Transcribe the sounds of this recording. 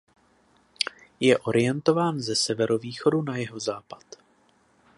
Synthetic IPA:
jɛʔo̞ɾɪjɛnt̪o̞vaːnzɛsɛvɛɾo̞viːxo̞dunajɛɦo̞zaːpat̪

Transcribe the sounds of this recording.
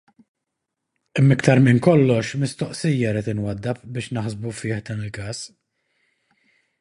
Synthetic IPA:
ɛmːɪkt̪ɐɾmɪnkɔlːɔʃmɪst̪ɔʔsijːɐɾiːt̪ɪnwɐd̪ːɐpbɪːʃnɐħzbufɪːħd̪ɐːnɪlkɐːs

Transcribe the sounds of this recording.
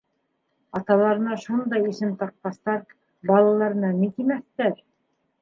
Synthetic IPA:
ɑt̪ɑlˠɑɾɤ̆nɑʃund̪ɑjĭsɘmt̪ɑq̚qɑst̪ɑɾ | bɑlˠɑlˠɑɾɤ̆nɑnit̪imæθt̪æɾ

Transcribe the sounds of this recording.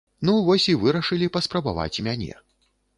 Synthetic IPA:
nuvɔsʲivɨɾɐʂɨlʲipɐspɾɐbava̰t͡sʲmʲanʲɛ̰

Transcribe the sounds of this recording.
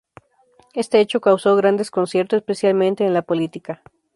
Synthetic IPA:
e̞st̪e̞et͡ʃokawso̞ɣɾand̪e̞sko̞nsje̞ɾt̪osespe̞sjalmẽnt̪e̞ːnlapo̞lit̪ika

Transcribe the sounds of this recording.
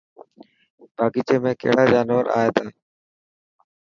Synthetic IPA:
baːkiːt͡ʃeːmẽːkə̰ɦɪɽaːd͡ʒaːnʋəɾʔa̰ːeːt̪aː

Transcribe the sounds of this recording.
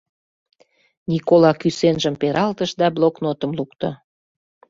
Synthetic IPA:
nʲikolɑkysenʒəmpeɾɑlt̪əʃd̪ɑbloknot̪ə̆mlukt̪ŏ̰

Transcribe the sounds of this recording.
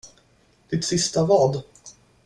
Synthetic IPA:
d̪̥ɪt̪sɪst̪avɑːd̪

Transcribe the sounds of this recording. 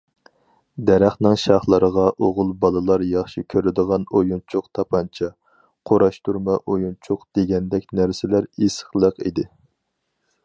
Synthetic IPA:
d̪ɛɾæχnɪŋʃɑχlˠəɾəʁɑʔoʁʊlˠbɑlˠɨlˠɑɾjɑχʃikʲʰøɾɪd̪əʁɑnojunt͡ʃʰʊqt̪ʰɑpʰɑnt͡ʃʰɑ | qʰoɾɑʃt̪uɾmɑʔojunt͡ʃʰʊqd̪̥eɡʲɛnd̪ɛk̚ʲnæɾsɪlæɾesə̥χlˠəqḭd̪ɪ

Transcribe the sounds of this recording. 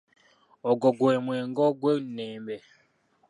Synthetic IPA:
ɔɡɔɡwɛmwɛŋɡɔɡwɛnɛːmbɛ

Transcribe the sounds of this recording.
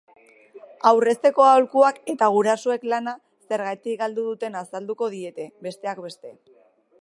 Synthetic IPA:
awre̞st̪e̞ko̞aolkuake̞t̪aɣ̞uɾasoe̞klana | se̞ɾɣajt̪ikɡald̪uðut̪e̞nasald̪uko̞ð̞ie̞t̪e̞be̞st̪e̞akbe̞st̪e̞

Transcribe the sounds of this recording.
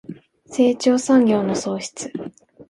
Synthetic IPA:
se̞ːt͡ɕo̞ːsãŋɡʲo̞ːno̞so̞ːɕi̥t͡sɨ̥

